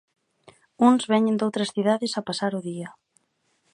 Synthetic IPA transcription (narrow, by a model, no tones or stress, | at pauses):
unzβɛɲẽnd̪owt̪ɾɐsθiðaðɪsapasaɾʊðia